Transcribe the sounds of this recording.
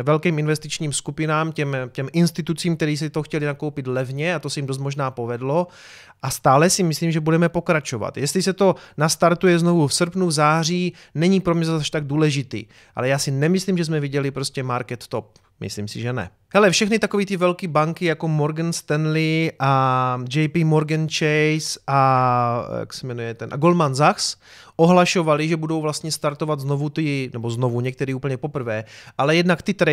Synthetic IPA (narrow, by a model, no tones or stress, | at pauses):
vɛlkiːmɪnvɛst̪it͡ʃɲiːmskupɪnaːmcɛmcɛmʔɪnst̪ɪt̪ut͡siːmkt̪ɛɾiːs̬ɛt̪oxcɛlɪnakowpɪt̪lɛvɲɛat̪osɛjimdo̞s̬t̪mo̞ʒnaːpovɛdlo̞ | ʔast̪aːlɛsɪmɪsliːmʒɛbudɛmɛpo̞kɾat͡ʃova̰t̪jɛst̪lɪsɛt̪o̞nast̪aɾt̪ujɛznovufsrpnuvzaːr̝iː | nɛɲipɾomɲɛzaʃt̪aɡ̚duːlɛʒɪt̪ḭː | ʔa̰lɛjaːsɪnɛmɪsliːmʒɛzmɛviɟɛlipɾoscɛmaɾkɛt̪ːop̚ | mɪ̰slḭːmsɪ̰ʒɛnɛ̰ | hɛlɛfʃɛxnɪt̪ako̞viːt̪ɪvɛlkibaŋkɪjako̞moɾɡɛnst̪ɛnlɪʔad͡ʒɛjpimoɾɡɛnt͡ʃɛjsʔa | ja̰ksɛmɛnujɛt̪ɛnʔa̰ɡolmanzaxs | ʔo̞ɦlaʃo̞valɪʒɛbudo̞wvlast̪ɲɛst̪aɾt̪o̞vad̪zno̞vut̪ɪnɛbo̞znovuɲɛk̚t̪ɛɾiːuːpl̩ɲɛpo̞pr̩vɛːʔalɛjɛdnakt̪ɪt̪ɾɛ